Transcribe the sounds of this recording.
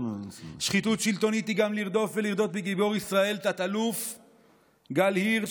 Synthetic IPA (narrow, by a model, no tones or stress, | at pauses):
ʃχit̪ut̪ʃilt̪o̞nit̪iɡamliʁd̪o̞fveliʁd̪o̞t̪̚beɡibo̞ʁisʁae̞lt̪at̪aluf | ɡalhiʁ